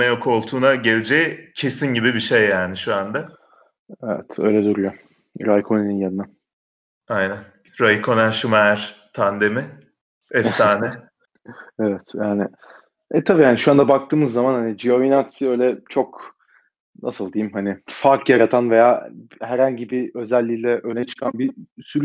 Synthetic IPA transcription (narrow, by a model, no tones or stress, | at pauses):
ɛjokʰo̞lˠt̪ʰuːnaɟelʲed͡ʒeicʰe̞sinɟibibiʃejːaːnɪʃuand̪a | ɛvɛ̰t̪ʰø̞̰jlʲɛd̪yɾyjo | ɾajkʰonininjannɛ | ajnæn | ɾajkʰo̞næʃumɛɾ̥t̪ʰand̪emɪ | ɛfsaːnɛ | ɛvɛt̪jaːnɪ | ɛt̪ʰabiːhaniʃuand̪abak̚t̪ʰɯːmɯzːamanhanid͡ʒioinat̪sø̞jlʲɛt͡ʃʰo̞k | nʔa̰sɯlˠd̪ejimhanɪfaɾkjaɾat̪ʰanve̞jaːhæɾhaɲɟibiø̞zælʲːilʲɛʔønɛt͡ʃʰɯ̥kʰanbisyɾ